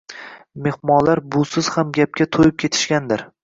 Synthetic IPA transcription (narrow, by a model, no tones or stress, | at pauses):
me̞hmɒnlaɾbʊsɪz̥hamɡʲap̚kʲat̪ʰojɪp̚kʲʰe̞t̪ʰɪ̥ʃkʲand̪ɪɾ